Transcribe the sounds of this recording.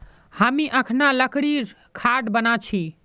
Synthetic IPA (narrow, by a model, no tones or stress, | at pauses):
həmiʔəkʰnaləkɽiɾ | kʰaʈbənat͡ʃʰi